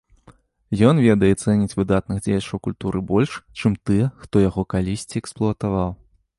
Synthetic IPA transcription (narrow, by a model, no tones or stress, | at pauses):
jɔnvʲɛd̪ɐjɛt̪sɛnʲit͡sʲvɨd̪at̪̚nɨɣd͡zʲejɐt͡ʂɐwkulʲt̪uɾɨbɔlʲʂt͡ʂɨmt̪ɨjɛxt̪ɔjaɣɔkalʲisʲt͡sʲiɛksplˠʊɐt̪avaw